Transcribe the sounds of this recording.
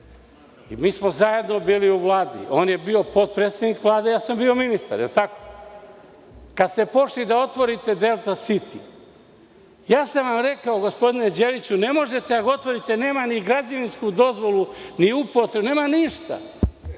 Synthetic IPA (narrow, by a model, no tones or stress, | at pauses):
imiːsmozaje̞d̪no̞biːliuʋlˠaːd̪ḭʔo̞ːnje̞bio̞po̞t̪̚pɾet̪sed̪nikʋlˠaːd̪ejaːsambio̞minist̪a̰ɾjelt̪ako̥ | kad̪st̪e̞po̞ʃlid̪ao̞t̪ʋo̞ɾit̪e̞d̪e̞lˠt̪asit̪i | jaːsaʋamɾe̞kaoɡospo̞d̪ine̞d͡ʑeʋit͡ɕune̞mo̞ʒe̞t̪eaɡot̪ʋo̞ɾit̪e̞ne̞ːmaniɡɾad͡ʑaʋinskud̪o̞zʋo̞luniupot̪ɾebune̞ːmaniʃt̪a̰